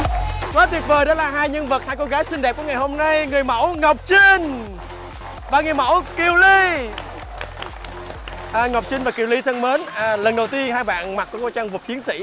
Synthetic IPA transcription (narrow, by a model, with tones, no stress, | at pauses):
kɔː˨˦t̪wəp̚vəː˨˩jɗɔ˨˦laː˨˩ɦaː˧jɲə˧nvə˨˩t̚haː˧jko˧ɣaː˨˦jsi˧ŋ̟ɗɛ˨˩p̚ku˧˥əŋa˨˩jho˧mna˧jŋɨ˨˩əjmə̰˧˥wŋə˨˩wp̚t͡ɕi˧ŋ | vaː˨˩ŋɨ˨˩əjmə̰˧˥wki˨˩əwli˧ | ʔːŋə˨˩wk͡p̚t͡ɕï˧ŋ̟vaː˨˩ki˨˩əwli˧˦t̪ʰə˧ŋməː˨˦nː˨˩lə˨˩nɗə˨˩wt̪i˧ənhaː˧jɓa̰ː˧˨nma˨˩t̚ku˧˩˦koː˧t͡ɕa˧ŋvə˨˩p̚t͡ɕi˨˦nsḭ˧˥